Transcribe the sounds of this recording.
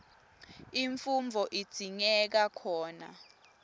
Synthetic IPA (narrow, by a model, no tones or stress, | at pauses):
iɱfumvʱɔʔid̥ʱiɲɛk̬akʰɔːna̰